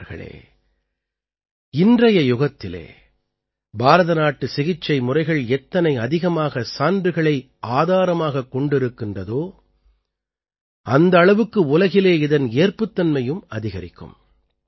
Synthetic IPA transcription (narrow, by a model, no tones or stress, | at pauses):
ɾɣɐ̰ɭḛː | ɪndrɐjɐjʊɣɐt̪ːɪlḛː | bʱaːɾɐðɐnaːʈːɯsɪɣɪt͡ʃːɐɪmʊrɐɪɣɐɭɛt̪ːɐnɐɪɐðɪɣɐmaːɣɐsaːndrɯɣɐɭɐɪ | ʔaːðaːɾɐmaːɣɐkːɔɳɖɪɾɯkːɪndrɐðoː | ɐnd̪ɐːɭɐʋɯkːɯʊlɐɣɪleːɪðɐneːrpɯt̪ːɐnmɐjɯmɐ̰ðɪɣɐɾɪkːɯ̰m